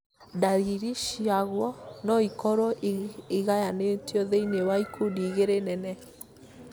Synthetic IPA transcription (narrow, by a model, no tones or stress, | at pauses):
daɾiɾiʃiaɣwɔnɔikɔɾɔiɣajanetjɔðeinewaikʰudiːɣeɾenɛnɛ